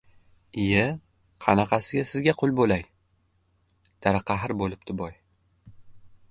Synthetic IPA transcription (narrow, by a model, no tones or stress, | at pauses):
ɪja | qʰɑnɑqʰɑsɪɡʲasɪzɡʲaqʰʊlˠbolaj | d̪̥ʰaɾɑqʰɑɦɪɾbolɪp̚t̪ɪbɒj